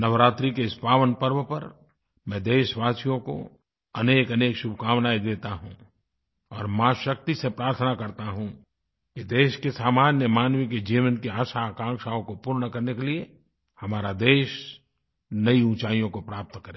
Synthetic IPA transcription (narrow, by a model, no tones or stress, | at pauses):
nɐʋɾaːt̪ɾikeɪspaːʋənpɐɾʋəpɐɾ | mɛ̃d̪eːʃʋaːsijõko̰ | ɐneːkɐneːkʃʊbʱkaːʋnaːid̪eːt̪aɦṵ̃ | ɔːɾmãːʃɐk̚t̪isepɾaːɾt̪ʰnakɐɾt̪aɦũ | kid̪eːʃkesaːmaːnjəmaːnʋiked͡ʒiːʋənkeaːʃaːkãːŋkʃaːõkopuːɾnəkɐɾnekelie | hɐmaːɾad̪eːʃ | nɐiũːt͡ʃaːijõkopɾaːp̚t̪kɐɾẽ